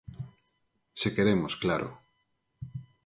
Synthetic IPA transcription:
sekeɾemosklaɾo̰

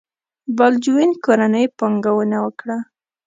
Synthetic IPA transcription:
bald͡ʒuwenkoɾanəjpɑŋɡawənawəkɽa

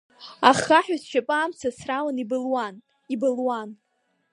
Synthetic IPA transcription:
aχaħᶣazʃᶣapʼaːmt͡sʰasrawanibɨlwan | ibɨlwan

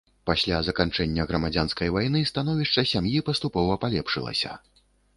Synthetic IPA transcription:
pasʲlʲazɐkant͡ʂɛnʲːɐɣɾɐmad͡zʲanskɐjvajnɨst̪anɔvʲiʂt͡ʂɐsʲamjipɐst̪upɔvɐpalʲɛpʂɨlˠɐ̰sʲɐ̰

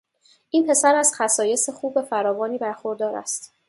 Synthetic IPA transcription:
ʔiːnpʰe̞sæɾæz̥xæsɒːje̞se̞xuːbefæɾɒːvɒːniːbæɾxoɾd̪ɒːɾæ̰st̪

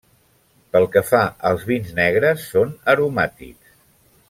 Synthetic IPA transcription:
pəlˠkəfaʔəlˠzβinznɛɣ̞ɾəsːonəɾumat̪ḭks

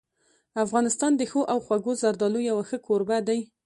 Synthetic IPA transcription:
afɣɑnɪst̪ɑnd̪əxoʔawxwaɡozaɾd̪ɑlojawaxəkʰoɾbad̪aj

